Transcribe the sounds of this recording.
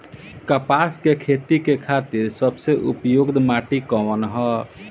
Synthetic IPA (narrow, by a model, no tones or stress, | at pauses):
kəpaskekʰet̪ikekʰat̪iɾsəbseʔṵpjuɡd̪ʱmaʈikɔwənɦɔ